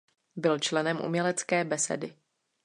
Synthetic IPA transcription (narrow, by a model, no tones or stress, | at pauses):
bɪlt͡ʃlɛnɛmʔṵmɲɛlɛt͡skɛːbɛsɛ̰dɪ